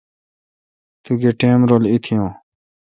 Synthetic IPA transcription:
t̪uɡeːʈeːmɾoːlit̪ʰijõː

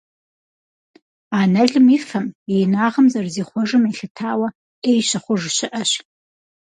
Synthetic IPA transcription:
aːnɐɮɨmifɐmejnaːʁɐmzɐrziːχʷɔʐɨmiɬɨtʰaːwɐ | eːjɕɐχʷʊʐɕɪʔɐɕ

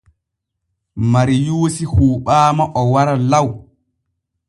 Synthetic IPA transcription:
maɾijuːsihuːɓaːmaʔɔwaɾalaw

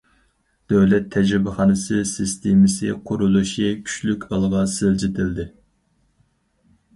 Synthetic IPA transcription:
d̪̥ɛwlɛt̪ʰːɛd͡ʒɾɪbɪχɑnɨsɨsɨst̪ʰemɪsɨqʰʊɾulˠuʃikʲʰy̥t͡ʃlykʲʰɑlˠʁɑsɪld͡ʒɪt̪ʰɪld̪ɪ

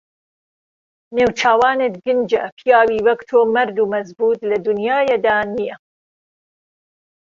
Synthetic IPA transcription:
neːwt͡ʃʰaːwaːnet̪ɡɨnd͡ʒɐ̰pʰijaːwiːwɐkt̪ʰoːmɐɾd̪uːmɐzbuːt̪lɐd̪unjaːjed̪aːnijɐ

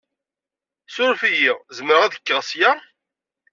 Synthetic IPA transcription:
sʊɾfijiʁzəmɾəʁæðəkːəʁsja

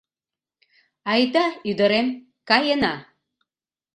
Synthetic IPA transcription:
ɑjd̪ɑyd̪ə̆ɾem | kɑjənɑ

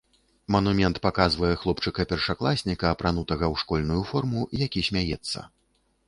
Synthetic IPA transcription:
mɐnumʲɛnt̪pakazvɐjɛxlˠɔpt͡ʂɨkɐpʲɛrʂaklˠasʲnʲikɐːpɾanut̪ɐɣɐwʂkɔlʲnujufɔrmujakʲisʲmʲajɛt̪sːɐ̰

